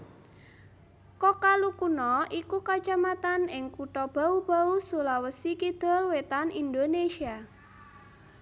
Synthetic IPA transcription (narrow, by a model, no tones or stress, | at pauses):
kɔkalukunɔʔikukḁt͡ʃamat̪anɪŋkuʈɔb̥a̤ub̥a̤usulawəsikid̪̥ɔ̤lwet̪anind̪onesia